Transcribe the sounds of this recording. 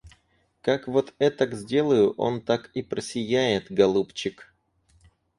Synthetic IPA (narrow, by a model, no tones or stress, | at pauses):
kakvo̞t̪ɛt̪aɡzʲdʲe̞lˠəjʊʔo̞nt̪akipɾəsʲɪjæjɪt̪ɡɐlˠupt͡ɕɪk